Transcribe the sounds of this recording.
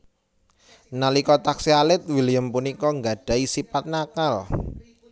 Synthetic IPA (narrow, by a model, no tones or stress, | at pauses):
nalikɔt̪aksialɪt̪̚wilijəmpunikɔŋɡaɖ̥ä̤isipat̪̚nakal